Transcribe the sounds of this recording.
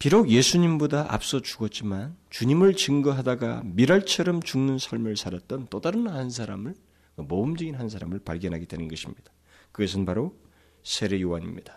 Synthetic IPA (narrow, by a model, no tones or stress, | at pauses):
piɾoɡje̞sʰuɲimbodaʔa̰p̚s͈ʌt͡ɕuɡʌt̚t͡ɕ͈imant͡ɕuɲimɯɭt͡ɕɯŋɡʌɦadaɡa̰miɾaɭt͡ɕʰʌɾʌmt͡ɕuŋnɯnsʰaɭmɯɭsʰaɾʌt̚t͈ʌnt͈odaɾɯnhans̬ʰaɾamɯɭ | kɯmoɯmd͡ʑɯɡinɦans̬ʰaɾamɯɭpaɭɡjʌnɦaɡedwe̞nɯnɡʌɕʰimɲid̥ḁ | kɯɡʌs̬ʰɯnpaɾo | sʰe̞ɾejowaɲimɲid̥ḁ